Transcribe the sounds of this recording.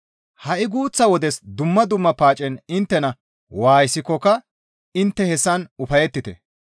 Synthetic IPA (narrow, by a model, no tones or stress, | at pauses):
hɐʔɪɡuːt͡sːɐwɔd̪ɛsd̪ʊmːɐd̪ʊmːɐpaːt͡ʃʼɛnɪnt̪ːɛnɐ | waːjɪsɪkːɔkɐ | ɪnt̪ːɛhɛsːɐnʊfɐjɛt̪ːɪt̪ɛ̰